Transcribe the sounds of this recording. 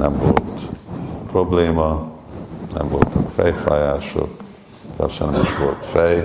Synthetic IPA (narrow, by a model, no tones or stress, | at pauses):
nɛmvo̰lt̪probleːmɒ | nɛ̰mvo̰lt̪ɒkfɛjfa̰ːjaːʃo̰k | kɑ̰ʃɛnɛmiʃʋolt̪fɛj